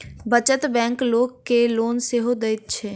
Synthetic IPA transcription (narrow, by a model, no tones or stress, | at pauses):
bət͡ʃət̪bɛ̃ːŋkloːɡkeloːnseɦod̪eɪt̪̚t͡ʃʰeː